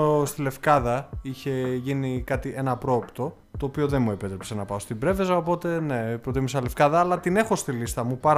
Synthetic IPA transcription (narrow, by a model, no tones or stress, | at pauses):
st̪ile̞fkɐðɐiçe̞ʝinikɐt̪iʔe̞nɐpɾo̞ːpt̪o̞ | t̪o̞ːpio̞ðe̞nmue̞pe̞t̪ɾepse̞nɐpɐost̪ibɾe̞ve̞zɐopo̞t̪e̞ne̞pɾo̞t̪imisɐle̞fkɐðɐːlɐt̪ine̞xo̞st̪ilist̪ɐmupɐɾ